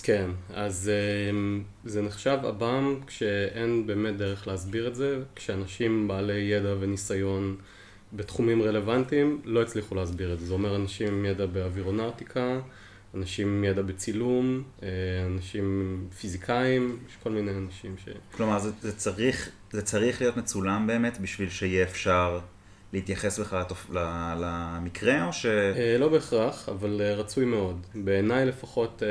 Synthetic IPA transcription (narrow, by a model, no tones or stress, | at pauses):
kʰe̞nazem | zeneχʃava̰bamkʃe̞ʔenbe̞ːme̞t̚d̪eʁeχleazbiʁetzekʃeanaʃimbaːle̞je̞dave̞nisajo̞n | bet̪χumimʁe̞le̞vantimlo̞it͡sliχuleazbiʁetzezeo̞me̞ʁanaʃimjedabeaviʁonawtikʰaː | naʃimjedabet͡silumeanaʃimfizikʰaimjeʃko̞lminejanaʃimʃḛklo̞maʁzzet͡saʁiχ | zet͡saʁiχlijo̞tmet͡sulambe̞ːmetbiʃvilʃeijɛːfʃaʁ | leit̪jaχesbeχaltoflalamikʁeo̞ʃelo̞be̞ːχʁaχa̰valeʁat͡sujme̞o̞dbeːnajle̞faχo̞t